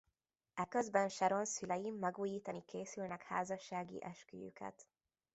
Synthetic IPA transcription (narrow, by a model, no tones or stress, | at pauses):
ɛkøzbɛnʃɛɾonsylɛjimːɛɡuːjiːt̪ɒnikeːsylnɛkha̰ːzɒʃːaːɡḭʔɛʃky̰jy̰kʰɛ̰t̪